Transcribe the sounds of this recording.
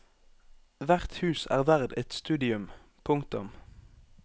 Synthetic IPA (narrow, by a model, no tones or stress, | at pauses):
ʋæʁt̪hʉːsæ̰ːʁʋæʁd̪ɛt̪st̪ʉːd̪ɪʉm | pʰʊŋkt̪ʊ̰m